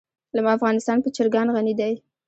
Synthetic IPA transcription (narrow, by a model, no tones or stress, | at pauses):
lamɑafɣɑnɪst̪ɑnpət͡ʃɪɾɡɑnɣanid̪aj